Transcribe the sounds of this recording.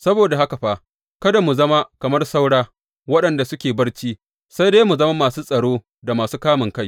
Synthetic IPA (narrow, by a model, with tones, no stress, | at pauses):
sɐ˦boː˨da˨ha˦ka˨ɸa˦ | kɐ˦da˨mu˨zɐ˦ma˦kɐ˨mɐ˦rsa˦wɽaː˦ | wɐ˦ɗɐ˨nda˨sʊ˦kʲeː˨bɐ˦rt͡ʃiː˦ | sa˦jdeː˦mu˨zɐ˦ma˦maː˨suː˦sʼɐ˨ɽoː˦ | da˨maː˨suː˦kaː˦mɪ˨ŋka˦j